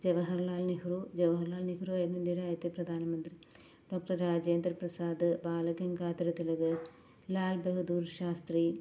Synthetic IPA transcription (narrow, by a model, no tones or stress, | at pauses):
d͡ʒɐʋɐɦɐɾlaːlniɦuɾud͡ʒɐʋɐɦɐɾlaːlniɦuɾuɐjmɐnd̪iɾaːjɐt̪ipɾɐd̪ʱaːnɐmɐnt̪ɾi | ɖoːk̚ʈɐɾːaːd͡ʒeːnd̪ɾɐpɾɐsaːd̪baːlɐɡɐŋɡaːt̪ɐɾɐt̪ilɐɡɐ | laːlbɐɦud̪uːɾʃaːst̪ɾi